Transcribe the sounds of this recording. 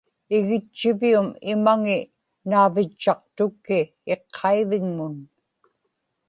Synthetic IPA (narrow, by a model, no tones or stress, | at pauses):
ɪɣɪt͡ʃːɪviumɪmaŋɪ | naːvɪt͡ʃːɑq̚t̪ʊkːɪ | eqʰːɑiðɪŋmʊn